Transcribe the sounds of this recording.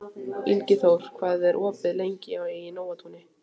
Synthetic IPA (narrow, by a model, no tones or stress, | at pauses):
ilcɪθawɾ̥kʰvaːðɛɾʔɔːpɪðlejɲcɪawɛjɪnoːwat̪huːnɪ